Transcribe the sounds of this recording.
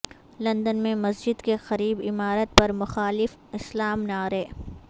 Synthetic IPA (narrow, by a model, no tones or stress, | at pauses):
lɐ̃nd̪ənmẽmɐsd͡ʒɪd̪kexɐɾiːbɪmaːɾət̪̚pɐɾmʊxaːlɪf | ɪslaːmnaːɾeː